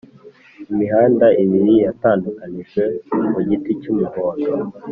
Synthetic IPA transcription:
imiɦaːndaʔimiɾijataːndukaniʒwe̞muɟiticumuɡoːndo

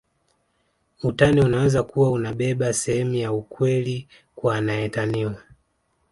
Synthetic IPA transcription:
utaniunawɛzakuwaunaɓɛɓasɛhɛmujaukwɛli | kwanaɛtaniwa

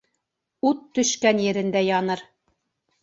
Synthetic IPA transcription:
ut̪ːɵ̆ʃkænjɘ̆ɾɘ̆nd̪æjɑnɤɾ

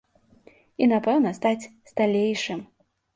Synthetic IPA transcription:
inapɛwnɐst̪at͡sʲst̪alʲejʂɨm

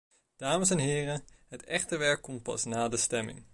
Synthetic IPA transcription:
d̥aːməs̬ɛnɦɪːrəɦətɛχtəʋɛɹkːɔmt̚pɑ̰snaːdəstɛmɪ̰ŋ

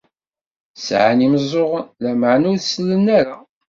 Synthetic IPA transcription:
sʕaniməzˤoʁlæmʕnʊɾslːənːæɾa

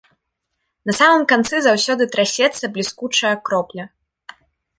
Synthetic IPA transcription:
nɐsamɨmkant̪sɨzawsʲɔd̪ɨt̪ɾasʲɛt̪sːɐblʲiskut͡ʂɐjɐkɾɔplʲɐ

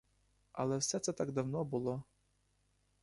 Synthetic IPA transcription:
ɐ̰lˠɛwsɛt̪sɛt̪aɡd̪ɐwnɔbʊlˠɔ

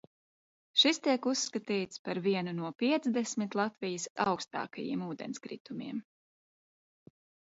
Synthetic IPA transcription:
ʃist̪iɛkusːkat̪iːt̪spaɾviɛnunuɔpʲiɛt̪sd̪ɛsmit̪lˠat̪vijəsa̰wkst̪a̰ːkajḭɛmuːd̪ɛ̰nskɾḭt̪umʲḭɛm

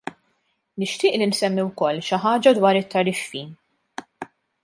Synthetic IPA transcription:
nɪʃt̪ɪːʔlinsɛmːiwkɔlːʃɪħɐːd͡ʒɐd̪wɐːɾɪt̪ːɐɾɪfːiːn

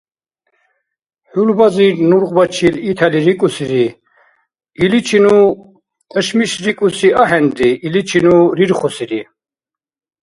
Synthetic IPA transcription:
hulbaziɾnuɾʁbat͡ʃʰilit̪ʰɛliɾikʼusiɾi | ilit͡ʃʰinu | əʃmiʃɾikʼusiaɦɛnd̪iːlit͡ʃʰinuɾiɾχɔsiɾi

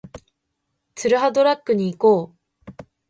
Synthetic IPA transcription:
tɯɾɯɦadoɾak͈ɯɲiɡo

